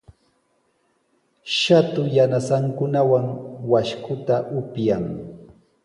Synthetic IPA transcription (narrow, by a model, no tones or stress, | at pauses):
ʃat̪ʊjanasaŋkʊnawaŋwaʃkʰʊt̪aʔʊpjaŋ